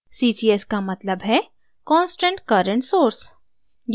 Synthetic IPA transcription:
siːsiːɛskamɐt̪ləbɦɛ | kɔ̃ːnsʈə̃ɳʈkɐɾə̃ɳʈsoːɾs | j

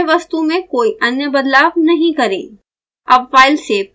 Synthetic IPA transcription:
ʋɐst̪umẽkoːiʔɐnjəbɐd̪laːʋnɐɦĩkɐɾḛː | ɐbfaːɪlse

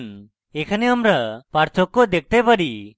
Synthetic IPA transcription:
n | ɛkʰanɛamɾapaɾt̪ʰɔkːɔd̪ɛk̚t̪ɛpaɽi

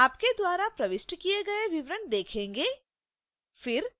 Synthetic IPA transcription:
aːpked̪waːɾapɾɐʋɪsʈkijeɡɐeʋɪʋɾənd̪eːkʰẽːŋɡeː | fɪɾ

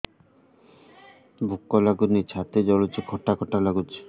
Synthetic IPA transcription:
bʱukːɔlaɡunit͡ɕʰat̪ed͡ʒɔlut͡ʃikʰɔʈːakʰɔʈːalaɡut͡ʃʰi̥

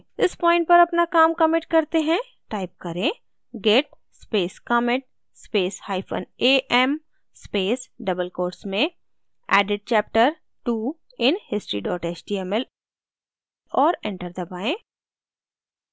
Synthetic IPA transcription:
ɪspɔːɪ̃ɳʈ̚pɐɾɐpnakaːmkɐmeːʈ̚kɐɾt̪eɦɛ̃ | ʈaːɪp̚kɐɾẽː | ɡɛʈ̚ | speːskaːmɪ̃ʈ̚ | speːshaːɪfʰə̰neːʔɛm | speːsɖɐbəlkoːɾsmẽ | ɛːɖɪɖ̚t͡ʃɛːp̚ʈəɾ | ʈuː | ɪnhɪsʈɾiɖɔːʈeːt͡ʃɖiːɛmɛl | ɔːɾɛ̃ɳʈəɾd̪ɐbaːẽː

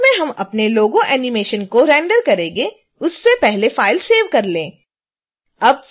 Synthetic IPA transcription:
mẽɦɐmɐ̰pneloːɡõʔɛːnɪmeːʃənkoɾɛ̃ːɳɖəɾkɐɾẽːɡe | ʊsːepɛɦlefaːɪlseːʋkɐɾlẽː | ɐb̚

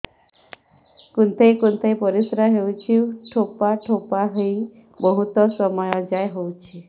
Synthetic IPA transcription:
kunt̪ʰejkunt̪ʰejpɔɾisɾaɦewt͡ʃʰiuʈʰopaʈʰopaɦej | bɔɦut̪ɔsɔmɔjɔd͡ʒajɦowt͡ʃʰi

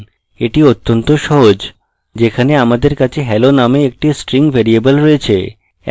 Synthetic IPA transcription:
eʈiot̪ːont̪oʃɔɦod͡ʑ | d͡ʑekʰaneamad̪eɾkat͡ɕʰeɦɛlonameek̚ʈisʈɾiŋɡbʱeɾiebəlɾɔet͡ɕʰḛ

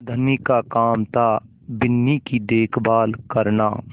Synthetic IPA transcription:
d̪ʱənikakaːmt̪a | bɪnːikid̪eːkʰbaːlkəɾna̰ː

